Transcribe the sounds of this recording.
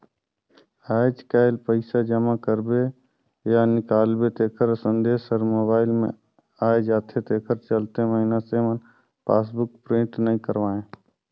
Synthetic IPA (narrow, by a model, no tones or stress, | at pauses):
aːd͡ʒkaːɪlpəɪsad͡ʒəmakəɾbe | janɪkaːlbet̪eːkʰəɾsə̃nd̪eːsəɾmoːbaːɪlmḛ̃ | aːed͡ʒaːt̪ʰet̪eːkʰəɾt͡ʃəlt̪eməɦinasemən | paːsbʊk̚pɾɪ̃ɳʈnəɦĩkəɾʋaːẽː